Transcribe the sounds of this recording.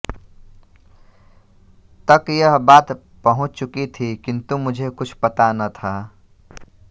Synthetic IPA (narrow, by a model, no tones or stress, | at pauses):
t̪əkjəɦbaːt̪ | pəɦʊ̃t͡ʃt͡ʃʊkit̪ʰikɪnt̪umʊd͡ʒʱekʊt͡ʃʰpɐt̪anət̪ʰaː